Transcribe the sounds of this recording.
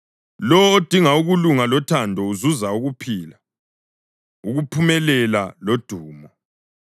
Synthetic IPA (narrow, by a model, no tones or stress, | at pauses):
lɔwod̥ʱiŋauɣuluŋalɔtʰandʱɔuzuzauɣupʰiːla | uɣupʰumɛlɛlalod̥ʱuːmɔ